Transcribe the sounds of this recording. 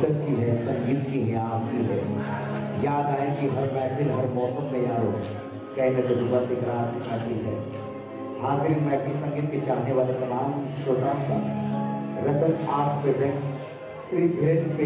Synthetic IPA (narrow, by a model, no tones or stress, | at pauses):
ət̪kiɦɛsɐ̃ŋɡiːt̪kiɦɛaːbiɦɛ | jaːd̪aːẽkiɦɐɾbaːpʰɪlɦɐɾmɔːsəmɡẽjãːɾoː | kɐːĩned̪ɐd̪ʊbasekɐɾaːt̪kʰaːkiɦɛː | ɦaːzɪɾinmɛːpʰɪlsɐ̃ŋɡiːt̪̚ket͡ʃaːɦneʋaːlet̪ɐmaːmʃoːt̪ãːnka | ɾɐpənaːspɾeːzẽɳʈs | sɪɾbʱɾense